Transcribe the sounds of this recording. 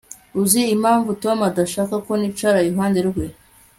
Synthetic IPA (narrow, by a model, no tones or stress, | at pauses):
uziːmaːɱvuto̞madaʃaːkako̞nit͡ʃaɾajiɦaːndeɾuɡwe